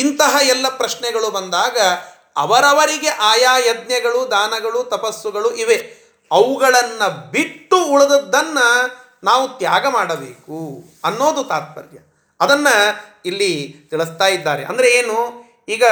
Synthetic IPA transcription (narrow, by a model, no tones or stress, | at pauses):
int̪ɐɦɐɛlːɐpɾɐʃɳɛɡɐɭubɐnd̪aːɡɐ | ɐ̰ʋɐɾɐʋɐɾiɡe̞ʔaːjaːjɐd̪̚njɐɡɐɭud̪aːnɐɡɐɭut̪ɐpɐsːuɡɐɭuʔiʋe̞ | ɐʋuɡɐɭɐnːɐbiʈːuːɭɐd̪ɐd̪ːɐnːɐ | naːʋut̪jaːɡɐmaːɽɐbḛːku | ɐnːo̞ːd̪ut̪aːt̪̚pɐ̰ɾjɐ̰ | ɐd̪ɐnːɐilːit̪iɭist̪aːjid̪ːaːɾḛʔɐ̰nd̪ɐɾe̞eːnu | iːɡɐ